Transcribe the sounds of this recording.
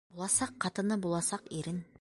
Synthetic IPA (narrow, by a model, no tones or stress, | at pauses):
bolˠɑsɑqʰːɑt̪ənəbolˠɑsɑqeɾɪn